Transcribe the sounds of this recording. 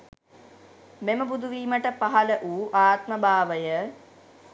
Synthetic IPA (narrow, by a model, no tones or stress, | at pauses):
meməbud̪ʱuʋiːməʈəpaɦɐləʔuːʔaːt̪məbʱaːʋəjə